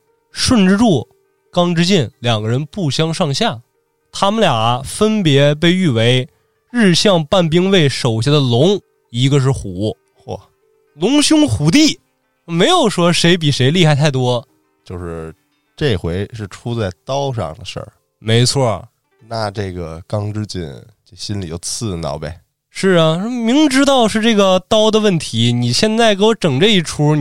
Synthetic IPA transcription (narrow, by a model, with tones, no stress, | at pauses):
ʂwə˥˧nʈ͡ʂɻ̩˥ʈ͡ʂu˥˩ | kɑ˥ŋʈ͡ʂɻ̩˥t͡ɕɛ˥˩nljɑ˨˩ŋɡə˧ɻə˧˥npu˥˩ɕjɑ˥ŋʂɑ˥˧ŋɕja˥˩ | t̪ʰa˥mə˨lja˨˩˧fə˥npjɛ˧˥p̬e˥˧ɪy˥˩we˧˥ɪ | ɻ̩˥˧ɕjɑ˥˧ŋpa˥˩np̬i˥ŋwe˥˩ɪʂo˨˩ʊɕjɛ˥d̪ə˨lʊ˧˥ŋ | i˧˥ɡə˧ʂ̬ɻ̩˥˩xu˨˩˦ | wɔ˥˩ | lʊ˧˥ŋɕjʊ˥ŋxu˧˥t̪̬i˥˩ | me˧˥ɪjo˨˩ʊʂwɔ˥ʂe˧˥ɪp̬i˨˩ʂe˧˥ɪli˥˧xa˥˧ɪt̪ʰa˥˩ɪt̪wɔ˥ | t͡ɕjo˥˧ʊʂɻ̩˥˧ | ʈ͡ʂe˥˩ɪxwe˧˥ɪʂɻ̩˥˩ʈ͡ʂʰu˥t͡sa˥˩ɪt̪ɑ˥ʊʂɑ̰˥˩ŋd̪ə˩ʂə̰˞˥˩ | me˧˥ɪt͡sʰwɔ˥˩ | na˥˧˩ʈ͡ʂɤ˥˩ɡə̰˩kɑ˥ŋʈ͡ʂɻ̩˥t͡ɕḭ˥˩nt͡ɕe˥˩ɕi˥nlḭ˨˩jo̰˥˧˩ʊt͡sʰɹ̩˥˩nɑ̰˧˩˥ʊbḛ˧˩ | ʂɻ̩˥˩ɐ˩mi˧˥ŋʈ͡ʂɻ̩˥t̪ɑ˥˧ʊʂɻ̩˥˧ʈ͡ʂɤ˥˩ɡə˩t̪ɑ˥ʊd̪ə˨wə˥˩nt̪ʰi˧˥ni˨˩ɕjɛ˥˧nt͡sa˥˩ɪkɤ˥wɔ˧˥ʈ͡ʂɤ˨˩ŋʈ͡ʂə˧i˥˩ʈ͡ʂʰu˧˥